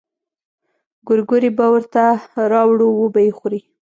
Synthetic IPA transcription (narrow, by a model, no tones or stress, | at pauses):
ɡʊɾɡuɾibawəɾt̪aɾɑwɽuwəbajexuɾi